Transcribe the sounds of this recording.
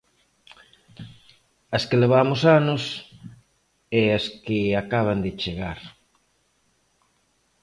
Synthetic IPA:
ɐskeleβamosanos | easkɪakaβ̞and̪ɪt͡ʃeɣaɾ

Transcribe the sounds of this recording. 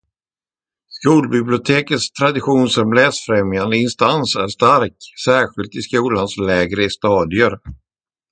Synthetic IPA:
skuːlbɪblɪʊt̪ʰeːkət̪st̪ʰɾad̪ɪɧuːnsɔmlɛːsfɾɛmjand̪əɪnst̪ansæʂt̪aɾksæːɧɪlt̪ɪskuːlanslɛːɡɾəst̪ɑːd̪ɪəɾ

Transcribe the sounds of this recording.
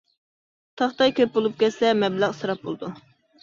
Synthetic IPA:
t̪ʰɑχt̪ɑjkʲʰøɾp̚bolˠup̚kʲɛt̪sɛmɛblæʁsɨɾɑp̚bo̰lˠd̪u

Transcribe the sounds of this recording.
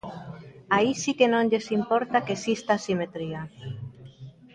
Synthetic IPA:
aisikenõŋʎesimpoɾt̪akesist̪aːsimet̪ɾia

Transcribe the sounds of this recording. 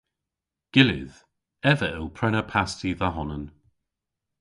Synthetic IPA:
ɡ̥ɪlɪ̰ð̥ | ɛvəʔɪlˠpʰɹɛnəpʰastiðəɦɔnən

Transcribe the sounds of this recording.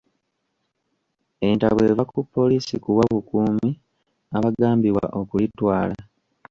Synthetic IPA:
e̞nta̰βwe̞ːvakupːo̞liːsikuwaβukuːmi | aβaɡaːmbiwa̰ʔo̞kulitwaːla

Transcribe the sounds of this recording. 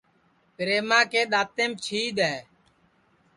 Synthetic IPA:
pɾeːmãːkeːɗ̪aːt̪eːmt͡ʃʰiːɗ̪ɛː

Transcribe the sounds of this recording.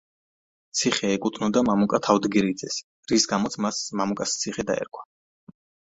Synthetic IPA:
t̪sʰiχɛːkʼut̪ʰnɔd̪amamukʼat̪ʰavd̪ɡiɾid̪zɛs | ɾisɡamɔt̪sʰmasmamukʼast̪sʰiχɛd̪a̰ɛ̰ɾkʰwḁ

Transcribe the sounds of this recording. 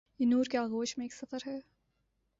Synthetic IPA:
jinuːɾkealɣoːʃmẽeːksɐfəɾɦɛː

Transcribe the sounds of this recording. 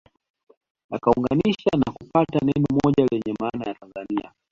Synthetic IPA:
akauŋɡaniʃanakupatanɛnɔmɔʄalɛɲɛmaːnajatanzania

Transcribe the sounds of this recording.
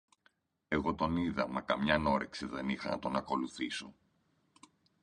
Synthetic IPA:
e̞ɣo̞t̪o̞niðɐmɐkɐmɲɐno̞ɾekseðenixɐ̰nɐt̪o̞nɐko̞luθiso̞

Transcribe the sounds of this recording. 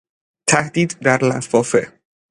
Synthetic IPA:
t̪ʰæhd̪iːd̪ːæɾlæfɒːfe

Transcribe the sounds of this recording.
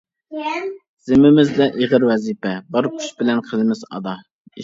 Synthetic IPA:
z̥ɪmɪmɪzd̪ɛʔeʁəɾwɛzipɛbɑɾkʲʰy̥ʃbɪlɛnqʰəlɪmɪzɑ̰d̪ɑ

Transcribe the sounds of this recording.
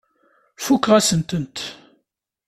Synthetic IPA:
fukːʁæsənt̪ənt̪

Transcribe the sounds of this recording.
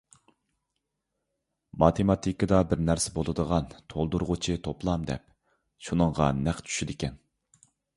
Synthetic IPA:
mɑt̪ʰemɑt̪ʰikəd̪ɑbɪɾnæɾsɪbolˠɨd̪əʁɑnt̪ʰolˠd̪uɾʁʊt͡ʃʰit̪ʰoplˠɑmd̪ɛ̰p̚ | ʃunɨŋʁɑ̰næχt͡ʃʰy̥ʃid̪ɪkʲɛn

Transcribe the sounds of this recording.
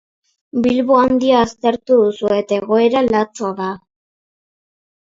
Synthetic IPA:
bilβuand̪iaːst̪e̞ɾt̪uðusue̞t̪e̞ɣ̞o̞e̞ɾalat͡soaða

